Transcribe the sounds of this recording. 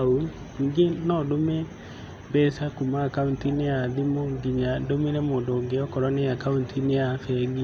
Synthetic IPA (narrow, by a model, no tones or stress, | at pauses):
u | iːŋɡenɔdomɛ | bɛsakumaːkauntineaðimoŋɡiɲadomeɾɛmoːndoŋɡeɔkɔɾɔnejakauntʰineafɛɡi